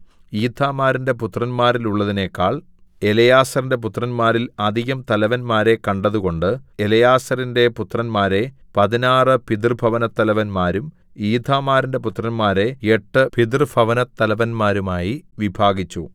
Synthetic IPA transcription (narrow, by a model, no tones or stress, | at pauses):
iːd̪ʱʰaːmaːɾinde̞put̪rɐnmaːɾiluɭːɐðine̞kːaːɭ | elɐjaːsɐrinde̞p̬ut̪rɐnmaːɾilɐd̪ʱiɣɐmt̪ɐlɐʋɐnmaːɾe̞kɐɳɖɐðuɣo̞ɳɖɨelɐjaːsɐɾinde̞put̪rɐnmaːɾe̞pɐðinaːrɨpid̪̬rɨbʱɐʋɐnɐt̪ːɐlɐʋɐnmaːɾum | iːd̪ʱaːmaːɾinde̞put̪rɐnmaːɾe̞eʈːɨpid̪̬rɨbʱɐʋɐnɐt̪ːɐlɐʋɐnmaːɾumaːjiʋibʱaːɡit͡ɕːu